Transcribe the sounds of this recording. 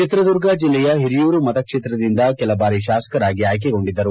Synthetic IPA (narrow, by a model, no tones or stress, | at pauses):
t͡ʃit̪ɾɐd̪uɾɡɐd͡ʒilːɛjɐɦiɾijuːɾumɐt̪ɐkʂeːt̪ɾɐd̪ind̪ɐkɛlɐbaːɾiʃaːsɐ̥kɐɾaːɡiaːjk̬eɡo̞ɳɖid̪ːɐɾu